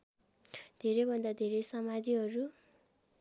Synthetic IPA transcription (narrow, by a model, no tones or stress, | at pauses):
d̪̥ʱeɾejbʱʌnd̪ad̪ʱeɾejsʌmad̪ʱiɦʌɾu